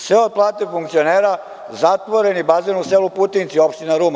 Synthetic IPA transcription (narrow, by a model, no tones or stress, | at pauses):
sʋeod̪̚plˠaːt̪efuŋk̚t̪sio̞neːɾa | zat̪ʋo̞ɾenibazenuseːluput̪int̪siopʃt̪inaɾuːm